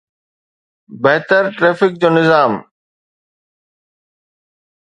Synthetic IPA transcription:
bɛɦt̪əɾʈɾeːfɪk̚d͡ʑoːnɪzaːm

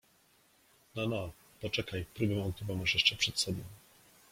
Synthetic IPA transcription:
nana | pɔt͡ʂɛkajpɾubɛmɔt̪uvawmaʂjɛʂt͡ʂɛpʂɛt̪sɔbɔ̃w̃

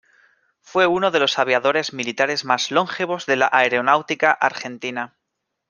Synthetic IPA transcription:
fwe̞unoð̞e̞lo̞saβjaðo̞ɾe̞zmilit̪aɾe̞zmazlo̞ŋxeβo̞zðe̞laʔaeɾeonawt̪ikaʔaɾxe̞nt̪ina

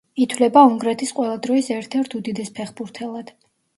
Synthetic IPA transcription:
it̪ʰwlɛbauŋɡɾɛt̪ʰisqʼwɛlˠad̪ɾɔisɛɾt̪ʰɛɾt̪ʰud̪id̪ɛspʰɛχbuɾt̪ʰɛlˠad̪̥

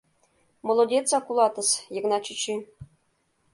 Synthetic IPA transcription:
molˠodʲet͡sɑkulˠɑt̪ɤ̆sjɤ̆ɣnɑt͡ɕit͡ɕi

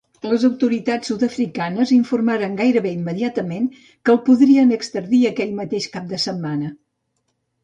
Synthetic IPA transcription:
ləzəwt̪uɾit̪at͡sːut̪əfɾikanəziɱfurmaɾəŋɡajɾəβeimːəðiat̪əmen | kəlˠpuðɾiənəkst̪əɾðiəkɛʎmət̪eʃkap̚d̪əsəmːanə

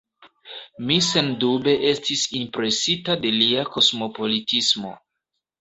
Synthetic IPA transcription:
mise̞ndube̞ʔe̞stisimpɾe̞sitade̞liako̞smo̞po̞litismo̞̰

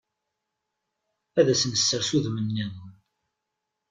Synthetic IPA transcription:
æðæsənəsːəɾsuðmənːinən

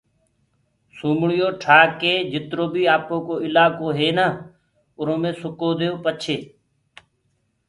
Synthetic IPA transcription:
suːmɳɪjoːʈʰaːkeːd͡ʒɪt̪ɾoːbʱiːaːpõːkoːɪlaːkoːɦeːnaː | ʊnõːmẽːsʊkoːd̪eːoːpət͡ʃʰeː

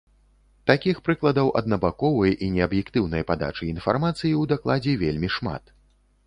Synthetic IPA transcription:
t̪akʲixpɾɨklˠɐd̪ɐwʔɐ̰d̪nɐbakɔvɐjʔinʲɛɐbjɛkt̪ɨwn̪ɐjpad̪a̰t͡ʂɨinfarmat̪sɨjiwd̪aklˠad͡zʲɛvʲelʲmʲiʂma̰t̪

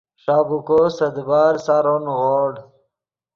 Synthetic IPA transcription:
ʂaːbukosɐd̪baːɾsaɾonɣoːɽ

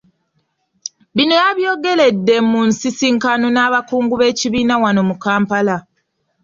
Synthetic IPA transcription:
βinojaβjoːɡe̞le̞dːe̞munsisiŋkanonaːβakuːŋɡuβe̞ːciβiːnawano̞mukaːmpala

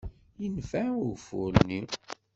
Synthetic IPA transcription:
jənfæʊfʊ̰lni

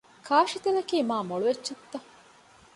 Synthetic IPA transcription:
kʰaːʃit̪elɐkiːmaːmoɭuʋet͡ʃːt͡ʃːɐt̪ːɐ

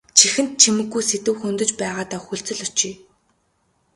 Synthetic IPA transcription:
t͡ɕʰixɘ̆nt̪̚t͡ɕʰimɘ̆ɡːujset̪ɘ̆wxɵnt̪ɵ̆t͡ɕpæːʁaːt̪aːxuɮt͡sɵ̆ɮʊt͡ɕiː

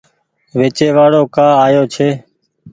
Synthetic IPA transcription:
ʋeːt͡ʃeːʋaːɽoːkaːaːjoːt͡ʃʰeː

